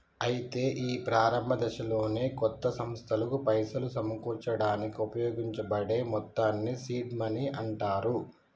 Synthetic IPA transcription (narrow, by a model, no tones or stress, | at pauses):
ɐjit̪e̞ːʔiːpɾaːɾɐmbʱɐd̪ɛʃɐlo̞ːneːkɔt̪ːɐsɐmst̪ʰɐlɐkupɐjsɐlusɐmɐkuːɾt͡ʃɐɽaːnikiupɐjoːɡiɲt͡ʃɐbɐɽe̞ːmɔt̪ːaːnːisiːɖmɐniʔɐɳʈaːɾu